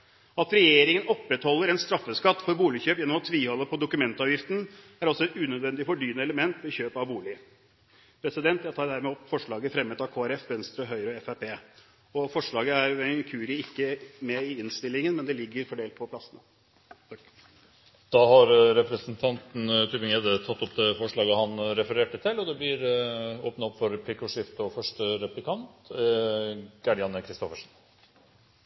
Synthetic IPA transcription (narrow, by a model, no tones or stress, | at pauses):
ɑt̪ɾɛjeːɾɪŋənɔpːɾɛt̪hɔlːəɾɛnst̪ɾɑfːəskɑt̪ːfɔɾbuːlɪçøːpjɛnːɔmɔt̪ʰʋiːhɔlːəpʰɔd̪ʊkʉmɛnt̪ɑːʋjɪft̪n̩ | æɾɔsːɔɛt̪ʉːnœd̪ʋɛnd̪ɪfɔɖyːnəɛləmɛnt̪ʋɛçøːpɑʋbuːlɪ | pʰɾɛsɪd̪ɛnt̪jæt̪ʰɑːɾd̪æːɾmɛɔpːfɔʂɭɑːɡəfɾɛmːət̪ɑkʰoːæɾɛfʋɛnst̪ɾəɦœʏɾəɔɛfæpʰeː | ɔfɔʂɭɑːɡəæɾɛkʰʉːɾɪɪkːəmɛɪɪnst̪ɪlːɪŋənmɛnd̪ɛlɪɡːəɾfɔɖeːlt̪̚pʰɔpʰlɑsnə | d̪̥ɑːɦɑɾɾɛpɾəsənt̪ʰɑnt̪n̩t̪ʰyːbəŋeːd̪ət̪ʰɑt̪ːɔpd̪ɛfɔʂɭɑːɡəhɑnɾɛfəɾeːʈət̪ʰɪlːɔd̪ɛblɪɾoːpnɑɔpːfɔɾp̪ʰɪkʊʂɪft̪ɔfœʂʈəɾɛplɪkʰɑnt̪ | ɡ̥ɑɖɪɑnəkʰɾɪst̪ɔfəʂn̩